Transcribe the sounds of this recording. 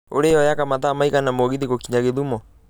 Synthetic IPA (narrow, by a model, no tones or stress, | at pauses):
o̰ɾejɔjakamaðamaikanamoɣiðeɣokiɲaɣeðumɔ